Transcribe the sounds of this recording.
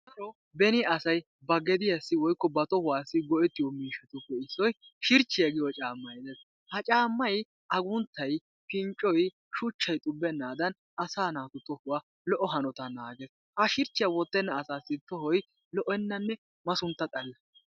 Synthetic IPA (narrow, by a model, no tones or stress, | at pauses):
kɐɾɔ | bɛnɪʔɐsɐj | bɐɡɛd̪ɪjɐsːɪwɔjkːɔbɐt̪ɔhʊwaːsːɪɡɔʔɛt̪ːɪjɔmiːʃɐt̪ɔpːɛɪsːɔjʃɪɾt͡ʃːɪjɐɡɪjɔt͡ʃʼaːmːɐjd̪ɛs | hɐt͡ʃʼaːmːɐj | ʔɐɡʊnt̪ːɐj | pɪnt͡ʃʼːɔj | ʃʊt͡ʃːɐjt̪ʼʊbːɛnːaːd̪ɐn | ɐsaːnaːt̪ʊt̪ɔhʊwaː | lɔʔɔɦɐnɔt̪ɐnaːɡɛs | hɐʃɪɾt͡ʃːɪjɐwɔt̪ːɛnːɐːsaːsːɪt̪ɔhɔj | lɔʔɛnːɐnːɛ | mɐsʊnt̪ːɐt̪ʼɐlːɐ